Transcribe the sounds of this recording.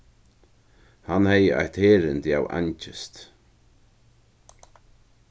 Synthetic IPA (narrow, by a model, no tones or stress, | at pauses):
hanhɛjəa̰jht̪heːɾɪnt̪ja̰wʔa̰ɲt͡ʃɪst̪